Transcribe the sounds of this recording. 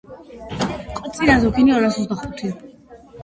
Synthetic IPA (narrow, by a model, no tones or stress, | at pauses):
qʼɔt̪sʼiɾazɔkʰiniɔɾasɔt̪sd̪aχut̪ʰi